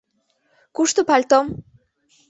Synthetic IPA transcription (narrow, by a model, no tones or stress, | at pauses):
kuʂt̪upalt̪ɔm